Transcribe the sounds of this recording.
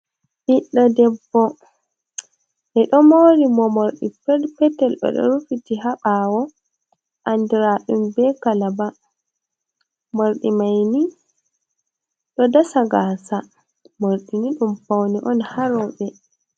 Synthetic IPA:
ʔiɗːɔdɛbːɔ | ʔɛɗɔmoːɾimɔmoɾɗḭpɛpɛtːɛlɗɔ̰ɗɔ̰ɾufitiɦaɓawɔ | ʔandiɾaɗumbɛkalaba | moɾɗimajni | ɗɔdasaɡaːsa | moɾɗiniɗumpawniʔɔnhaɾɔɓɛ

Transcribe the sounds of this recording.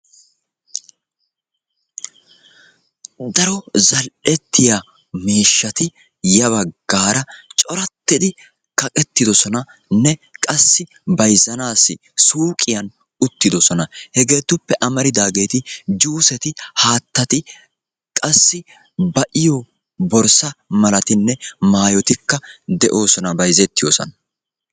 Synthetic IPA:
d̪ɐɾɔzɐlʔɛt̪ːɪja | meːʃːɐt̪ɪ | jɐβɐɡ̥ːaːɾɐt͡ʃʼɔɾɐt̪ːɪd̪ɪ | kɐkʼɛt̪ːɪd̪ɔsɔnɐ | nɛkʼɐsːɪ | bɐjzɐnaːsːɪ̰ | suːkʼɪjɐn | ʊt̪ːɪd̪ɔsɔnɐhɛɡe̞ːt̪ːʊpːɛʔɐmɐɾɪd̪aːɡe̞ːt̪ɪd͡ʒuːsɛt̪ɪhaːt̪ːɐt̪ɪ | kʼɐsːɪ | bɐʔɪjɔ | bɔɾsɐmɐlɐt̪ɪnːɛmaːjɔt̪ɪkːɐd̪ɛʔo̞ːsɔnɐbɐjzɛt̪ːɪjoːsɔ̰nɐ

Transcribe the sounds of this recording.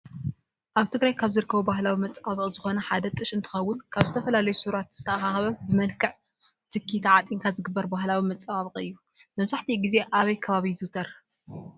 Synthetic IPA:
ʔaβt̪ʰɨɡɾajkʰaβzɨɾɨkʰːɐβubahlawimɐt͡sʼaβɨkʼzɨxo̞nɐħad̪ɐt̪ʼɨʃʼɨnt̪ʰɨ̥xɐwːʊnkʰaβzɨt̪ʰɐfɐlalɐjusuɾat̪z̥ɨt̪ʰɐʔaxaxɐβɐbɨmɐlkʰɨʕ | t̪ʰɨkʰːit̪ʰʕat̪ʼiŋkʰazɨɡɨbːɐɾbaɦlawimɐt͡sʼaβaβɨqʼɨ̰jːu | mɐβzaħt̪ʰiɡize̞ʔaβɐjkʰɐβaβizɨwt̪ʰɐɾ

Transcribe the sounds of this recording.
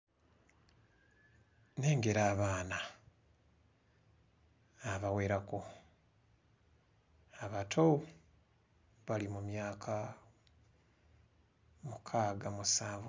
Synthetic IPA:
ne̞ːŋɡe̞ɾaːβaːna | aβawe̞ːɾako | aβatʰo | βalimumjaːkʰa | mukʰaːɡamusaːv

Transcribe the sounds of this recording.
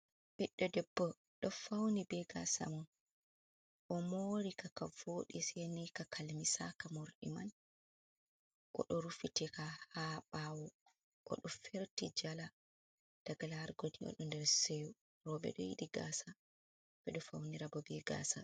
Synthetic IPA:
ʔiɗːɔdɛbːɔ | ɗɔfawnibɛɡasa̰mɔn | ʔɔmoːɾikakavoːɗisenikakʰalmisakamoɾɗḭman | ʔɔ̰ɗɔɾufitɛkahaɓawɔ | ʔɔ̰ɗɔfeɾtid͡ʒala | d̥aɡalahaɾɡodiɔ̰ɗɔndɛɾseju | ɾɔɓɛ̰ɗɔ̰jḭɗiɡa̰sa | bɛɗɔfawniɾabɔbɛɡa̰ːsa

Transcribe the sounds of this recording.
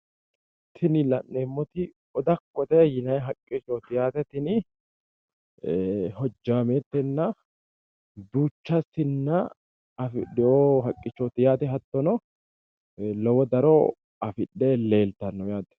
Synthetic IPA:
t̪ʰɪnɪlɐnːemːɔt̪ɪ | ɔd̪ɐkːɔt̪ɛjɪnɐjɦɐkʼːɪt͡ʃːɔt̪ɪjaːt̪ɛt̪ɪnɪ | hɔd͡ʒːaːmet̪ːɛnːɐ | d̪uːt͡ʃːɐsɪnːɐ | ɐfɪdɛoɦɐkʼːɪt͡ʃːɔt̪ɪjaːt̪ɛɦɐt̪ːɔnɔ | lɔwɔd̪ɐɾɔ | ɐfɪɗːɛle̞ːlt̪ɐnːɔjaːt̪ɛ̥

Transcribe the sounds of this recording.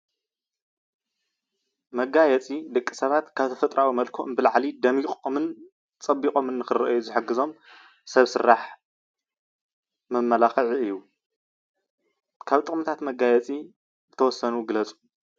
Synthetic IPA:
mɐɡajɛt͡sʼid̪ɨkʼːisɐβat̪kʰaβt̪ʰɐfɐt̪ʼɾʔawimɐlkʰoʔɨnbɨlʕlid̪ɐmixʼomɨn | t͡sʼɐbːikʼo̞mɨnːɨxɨrɐ̰ʔjuzɨħɨɡɨzo̞m | sɐβsɨɾːaħ | mɐmːɐlaxɨʕiɨjːu | kʰaβt̪ʼɨχʼmɨt̪ʰat̪mɐɡajɛt͡sʼi | zɨt̪ʰɐwɔsːɐnuɡɨlɐt͡sʼu̥

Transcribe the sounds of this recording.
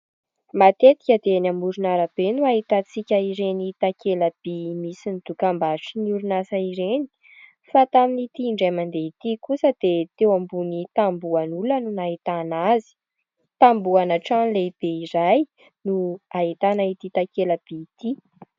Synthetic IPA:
mat̪et̪i̥kʲad̪eanamuɾunaɾab̥enuaɦit̪at͡sikʲəiɾenit̪akeləb̥imisinid̪̥ukambaʈ͡ʂiniuɾunasaiɾeni̥ | fat̪aminit̪iːɳɖ͡ʐajmand̪eit̪ikusəd̪̥et̪ewambunit̪ambuanulənunaɦit̪anazi̥ | t̪ambuanaʈ͡ʂanleib̥eiɾaj | nuaɦit̪anait̪it̪akeləb̥iːt̪i

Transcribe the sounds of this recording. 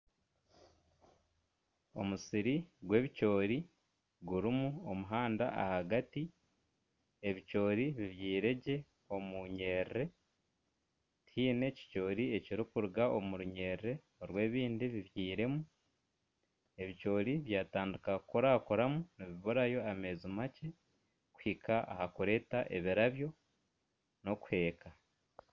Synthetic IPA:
o̞̰musiɾiɡwe̞ːβico̞ːɾi | ɡuɾimuomuɦaːnda̰ʔa̰haɡati | e̞βico̞ːɾiβiβjiːɾe̞ɟe̞ | o̞muɲe̞ːɾɾe̞ | tʰiːne̞ci̥co̞ːɾie̞ciɾikuɾuɡaʔomuɾuɲeːɾɾe̞ | oɾwe̞ːβiːndiβiβjiːɾe̞mu | e̞βico̞ːɾiβjaːtaːndukakukoɾakoɾamuniβiβoɾajo̞ame̞ːzumace̞ | ku̥hikaʔa̰hakuɾe̞taʔe̞̰βiɾaβjo̞ | no̞ku̥he̞ːka

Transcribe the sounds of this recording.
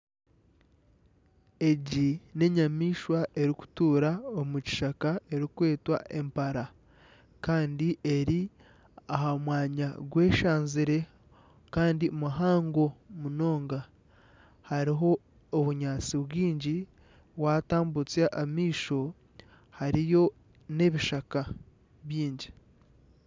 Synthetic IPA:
e̞ɟine̞ɲamiːʃwaʔe̞ɾiku̥tuːɾaomuci̥ʃakae̞ɾikwe̞ːtwa̰ʔe̞mpaɾa | kaːndiʔe̞ɾi | aɦamwaːɲaɡwe̞ːʃaːnziɾe̞ | kaːndimuɦaːŋɡo̞muno̞ːŋɡa | haɾiɦo̞ː | βuɲaːt͡siβwiːɲɟi | waːtaːmbut͡sjaʔamiːʃo̞ | haɾijo̞ | ne̞βiʃaka | βjiːɲɟi

